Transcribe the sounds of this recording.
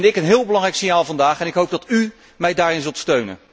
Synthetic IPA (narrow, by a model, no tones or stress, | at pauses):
nɪkənɦɪːlˠbəlɑŋrɛjksɪnjaːlˠvɑndaːχɛnɪkɦowb̚dɑty | mɛjdaːɹɪnzɵlˠtstøɥnə̰n